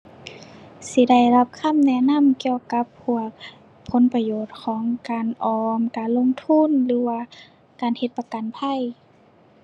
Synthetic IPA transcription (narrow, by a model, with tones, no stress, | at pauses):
si˧˦da˧˥˩jla˧p̚kʰa˧˥˨mnɛ˧˨na˧˥˨mki˧ə˧wka˧˦pʰːu˧˩ɐk̚ | pʰo˨˧˦npa˧joː˧˩t̪̚kʰɔː˩˦ŋkaː˨nʔɔː˨˧mkaː˨nlo˧˥˨ŋt̪ʰu˧˥˨nlɯː˨˦waː˧ | kaː˨nhe˧t̪̚pa˧ka˨npʰa˧˥˨j